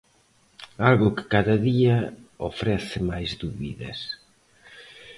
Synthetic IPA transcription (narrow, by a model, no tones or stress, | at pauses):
alɣʊkɪ̥kaðɐðiɐofɾɛθɪmajzðuβḭðɐ̰s